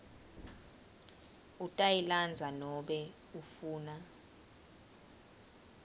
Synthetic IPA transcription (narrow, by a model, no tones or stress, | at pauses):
utʼailand͡zʱanɔɓɛ | ufuːna